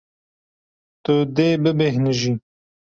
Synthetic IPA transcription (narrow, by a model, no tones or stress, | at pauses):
t̪ud̪eːbəbeɦnəʒi